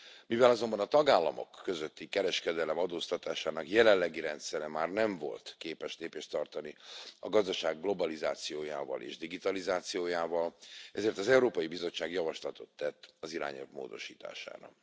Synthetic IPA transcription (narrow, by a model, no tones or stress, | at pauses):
mivɛlɒzo̞mbɒnɒt̪ɒɡaːlːɒ̰mo̞̰kːøzøt̪ːikɛɾɛʃkɛd̪ɛlɛmɒd̪oːst̪ɒt̪aːʃaːnɒkjɛlɛlːɛɡiɾɛnt̪sɛɾɛmaːrnɛɱvo̞̰lt̪keːpɛʃleːpeːʃt̪ɒrt̪ɒniɒɡɒzd̪ɒʃaːɡːlo̞bɒlizaːt̪sijoːja̰ːvɒ̰lʔḛːʒd̪iɡit̪ɒlizaːt̪sijoːjaːvɒlɛzeːrt̪ɒzɛuɾoːpɒjibizo̞t͡ʃːaːɡjɒvɒʃlɒt̪o̞t̪ːɛt̪ːɒziɾa̰ːɲɛ̰lvmo̰ːd̪o̞̰ʃiːt̪a̰ːʃa̰ːɾɒ̰